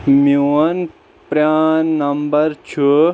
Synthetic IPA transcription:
miwɐn | pɾjaːnːɐmbɐɾt͡ɕʰu

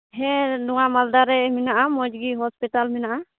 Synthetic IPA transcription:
ɦɛ̃nuwamald̪aɾɛminaʔamɔd͡ʒɡiɦɔspiʈalmɛnaʔa

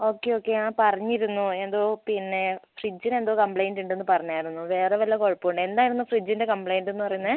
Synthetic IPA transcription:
oːkːeo̞ːkːeãːpɐrɐɲːiɾunːue̞nd̪oːpinːefrid͡ʑːine̞nd̪oːkɐmpɭejnɖuɳɖenːupɐrɐɲːaːjiɾunːuʋe̞ːreʋɐlːɐko̞ɻpːouɳɖend̪aːjiɾunːufrid͡ʑːinde̞kɐmpɭejnɖenːupɐrɐjunːɐ

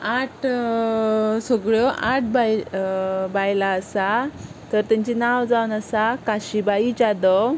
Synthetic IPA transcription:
aʈ | səɡɭjɔʔaʈ̚ʰbaj | bajlaəsat̪əɾt̪ãɲt͡ɕinawd͡zawnəsakaɕibaid͡ʑad̪ə

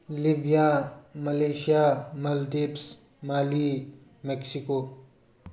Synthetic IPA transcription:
libijaːmɐleːʃijaːmɐld̪eps | maːli | mɛksikoː

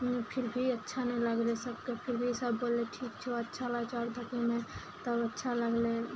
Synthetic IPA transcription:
pʰɪɾbʱiətːʃʰanələɡlesəbkepʰɪɾbʱisəbːoːleʈʰiːkt͡ʃʰoətːʃʰalat͡ʃaɾd̪ʱəkimẽ | t̪əbətːʃʰaləɡle

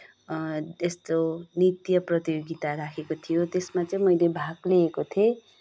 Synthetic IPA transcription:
est̪onit̪jʌprʌt̪ijoɡit̪aɾakʰekot̪ʰijot̪esmat͡sʌj̃mʌjlebʱaɡleːkot̪ʰe

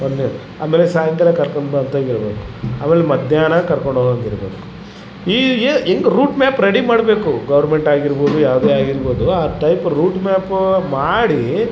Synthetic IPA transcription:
onːe | a̰ːmeːlesaːjɐŋkɐlɐkɐɾkoɳbɐnt̪aiɾɐbeːku̥aːmeːlemɐd̪ʱjaːnɐkɐɾkoɳɖɦoːɡɐnd̪iɾɐbeːku̥ | iːeeŋɡɐɾuːʈmʲaːpɾeɽimaːɽbe̞ːkuɡɐʋɐɾme̞ɳʈaːɡiɾboːd̪ujaːʋd̪eːaːɡiɾbo̞ːd̪uaːʈɐjpɾuːʈmaːpmaːɽi

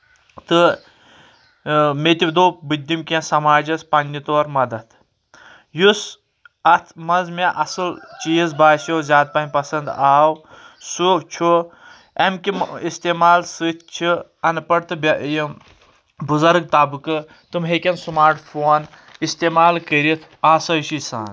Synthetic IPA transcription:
t̪ɨ | met̪ibd̪oːbɨd̪ːimkʲẽsɐmaːd͡ʒɐspɐnʲːit̪oːɾmɐd̪ɐt̪ | jus | ɐt̪ʰmɐnzmeʔɐsɨlt͡ʃiːzbaːsjoːzʲjaːt̪̚pɐnʲpɐsɐnd̪aːw | sut͡ʃʰu | ɐmkʲiist̪eːmaːlsɨt̪ʰt͡ʃʰiɐnpɐɽt̪ɨbji | buzɐɾɡ̚t̪aːbɨkɨ | t̪ɨmɦekʲɐnsumaːɾʈʰfʰoːn | ist̪eːmaːlkəɾʲit̪ʰaːsɐʃisa̰ːn

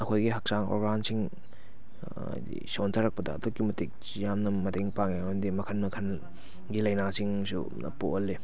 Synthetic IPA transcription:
ɐkʰojɡiɦak̚saŋo̰ɾɡansiŋ | dḭsontʰɐɾɐk̚pɐdɐ̰ːtokːimɐtik̚ | jamnɐmɐteŋpaŋendimɐkʰɐnmɐkʰɐn | ɡilɐjnasiŋsṵ | ɐ̰poʔolːi

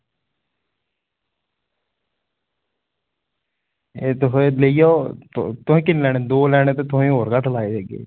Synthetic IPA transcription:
eːt̪ʊɦẽləijoːt̪ʊɦẽːkɪnlɛːneːd̪oːlɛːñeːt̪eːt̪ʊɦẽːɦoːɾɡaʈʰlaːeːd̪eːɡḛː

